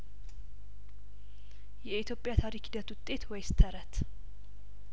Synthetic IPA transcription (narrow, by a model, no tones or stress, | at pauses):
jɛit̪jo̞pʼjat̪ʰaɾikhid̪ət̪wʊt̪ʼːe̞t̪wɔjst̪ʰəɾət̪